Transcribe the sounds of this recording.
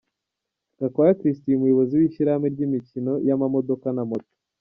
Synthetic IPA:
ɡ̥akoakɾis̬tijumujoβo̞ziwiʃiɾameɾɟimicino̞jamamo̞do̞kanamoto̥

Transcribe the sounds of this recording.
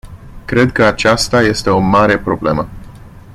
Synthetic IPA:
kɾe̞d̪kəat͡ʃast̪aje̞st̪e̞o̞maɾe̞pɾo̞ble̞mə

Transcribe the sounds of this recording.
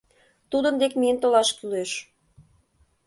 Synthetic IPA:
t̪ud̪ə̆nd̪ekmiənt̪olɑʃkyleʃ

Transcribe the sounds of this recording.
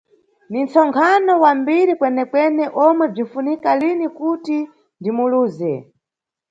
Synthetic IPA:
nint͡sɔŋkʰanɔwambiɾikwɛnɛkwɛnɛʔɔmwɛb͡ʐinfunikalinikuti | ndimuluːzɛ

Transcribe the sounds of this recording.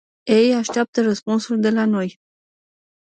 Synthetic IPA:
ejaʃt̪eap̚t̪ərəspunsuld̪e̞lano̞j

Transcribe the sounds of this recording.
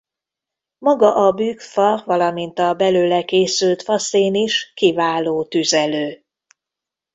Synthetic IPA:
mɒɡɒʔɒbyːkfɒvɒlɒmint̪ɒbɛløːlɛkeːsylt̪fɒseːniʃkivaːloːt̪yzɛløː

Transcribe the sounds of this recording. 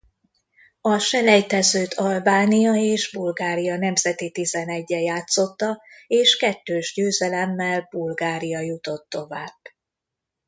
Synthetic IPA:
ɒʃɛlɛjt̪ɛzøːt̪ʰɒlbaːnijɒeːʒbulɡaːɾijɒn̪ɛmzɛt̪it̪izɛnɛɟːɛjaːt̪so̞t̪ːɒeːʃkɛt̪ːøːʒɟøːzɛlɛmːɛlbulɡaːɾijɒjut̪o̞t̪ːo̞vaːb̥

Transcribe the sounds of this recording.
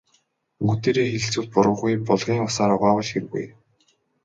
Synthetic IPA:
ŋɵt̪eːɾeːxeɮt͡suːt̪̚pʊɾʊ̆ːʁujpɔɮʁ̥ʲiːŋʊsaːɾʊʁaːwə̆ɮxeɾɣṵj

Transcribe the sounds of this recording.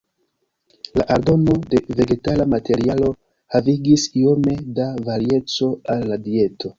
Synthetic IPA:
la̰ʔaɾdo̞no̞de̞ve̞ɡe̞talamate̞ɾialo̞ | haviɡisio̞me̞davaɾie̞t͡so̞alːadie̞to̞

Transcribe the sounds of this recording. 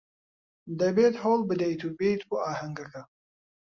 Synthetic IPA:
d̪ɐbeːt̪hoːlˠbɨd̪ɐjt̪ʰuːbejt̪boːaːhɐŋɡɐkɐ

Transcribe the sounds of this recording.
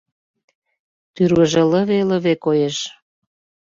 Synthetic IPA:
t̪yɾwəʒeləβelə̆βekojeʃ

